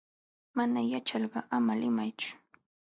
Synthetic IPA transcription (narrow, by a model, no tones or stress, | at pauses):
manajat͡ʃɑʎɢɑʔamalɪmajt͡ʃʊ̥